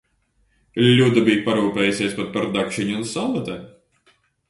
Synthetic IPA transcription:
lʲud̪abʲijpaɾuːpʲɛːjusʲiːspat̪̚paɾd̪akʃɨɲʲunsalˠat̪ɛ

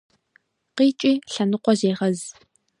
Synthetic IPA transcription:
qiːt͡ʃʼiːɬɐnɨqʷɔzeːʁɐz

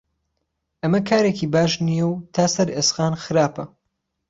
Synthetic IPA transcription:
ʔɐmɐkʰaːɾeːkiːbaːʃnijɛwt̪ʰaːsɐɾeːsxaːnxɨɾaːpɐ

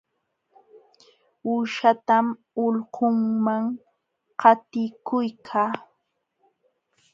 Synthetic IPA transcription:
uːʃat̪am | ʊlhoŋmaŋ | qɑt̪ɪkʊjkʰaː

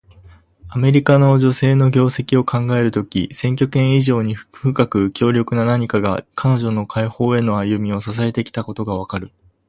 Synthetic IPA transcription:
ame̞ɾʲikano̞ʑo̞se̞ːno̞ɡʲo̞ːse̞kʲio̞kʰãŋɡae̞ɾɯ̟t̪o̞kʲḭsẽ̞ŋk̬ʲo̞kẽ̞ɰ̃iʑo̞ːɲ̟iɸɯ̟kakɯ̟kʲo̞ːɾʲjo̞kɯ̟nanaɲ̟ikaɡa̰kʰano̞ʑo̞no̞kʰaiho̞ːe̞no̞ajɯ̟mʲio̞sas̬ae̞t̪e̞kʲi̥t̪ako̞t̪o̞ɡaβ̞akaɾɯ̟

